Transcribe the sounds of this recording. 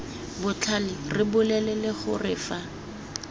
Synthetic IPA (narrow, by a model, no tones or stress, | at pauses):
bʊt͡ɬʰalɪrɪbʊlɛlɛlɪχʊ̰rɪːfa